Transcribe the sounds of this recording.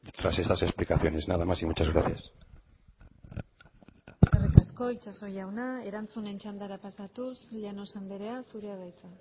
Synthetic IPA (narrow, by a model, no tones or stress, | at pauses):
t̪ɾase̞st̪ase̞splikaθjo̞ne̞znaðamasimut͡ʃazɣɾa̰θjas | erikasko̞it͡ʃaso̞jawnae̞ɾant͡sune̞nt͡ʃand̪aɾapasat̪usʎano̞sand̪eɾe̞asuɾeaðajt͡sa